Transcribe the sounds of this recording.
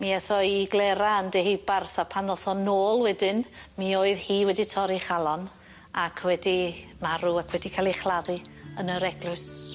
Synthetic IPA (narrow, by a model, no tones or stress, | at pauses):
miɛθɔiɡlˠɛɾaandehibarθapʰanɔθɔnoːlˠwɛdɪnmioːɨðhiːwɛditʰɔɾiχalˠɔn | akʰwɛdimaɾuakʰwɛdikʰalˠiχlˠaðɨənəɾɛɡlˠʊs